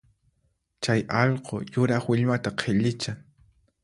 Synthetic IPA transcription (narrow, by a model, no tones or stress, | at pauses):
t͡ʃajɑʎqʰojʊɾɑχwɪʎmat̪aqʰeʎɪt͡ʃaŋ